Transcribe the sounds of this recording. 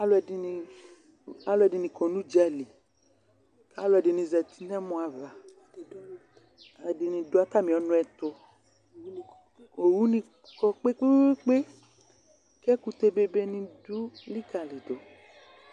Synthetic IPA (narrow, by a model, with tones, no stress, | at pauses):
a˦lo˨˦ɛ˨di˧ni˧ | a˦lʊ˦ɛ˨di˨nĩ˨kɔ˨nũ˦d͡ʒi˦a˨li˨ | ka˦lo˦˨ɛ˨di˨nĩ˨zɛ˨t̪i̥˦nɛ˦mõ˨a˨va˨ | ɛ˨di˨nĩ˧do˨˦a˦t̪a˦˨mĩ˨ɔ˨˦nʊ̃˦ɛ˨t̪o˧ | o˨wu˦nĩ˧ | kɔ˦k͡pe˦k͡pe˦k͡pe˦ | kɛ˦ku˧t̪e˦be˦be˦nĩ˧du˦li˦ka˨le˨d̪o˨